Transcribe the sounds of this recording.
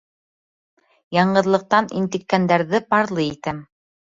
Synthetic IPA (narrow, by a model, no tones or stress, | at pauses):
jɑɴɢɤ̆ðlˠɤ̆q̚t̪ɑnḭnt̪ɘ̆kːænd̪æɾðɘpɑɾlˠɤit̪æm